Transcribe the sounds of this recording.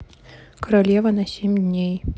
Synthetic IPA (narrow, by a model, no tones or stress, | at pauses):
kɐɾalʲɛvɐnɐsʲemʲd̪ʲnʲej